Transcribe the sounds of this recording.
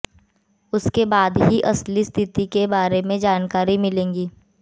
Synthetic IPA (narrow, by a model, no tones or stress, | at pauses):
ʊskebaːd̪ɦiʔɐslist̪ʰɪt̪ikebaːɾemẽd͡ʒaːnkaːɾimɪlẽːŋɡiː